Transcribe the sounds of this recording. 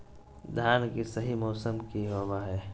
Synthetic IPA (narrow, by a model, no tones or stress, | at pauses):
d̪ʱjaːnkisɐɦimɔːsəmkiɦowaɦɛː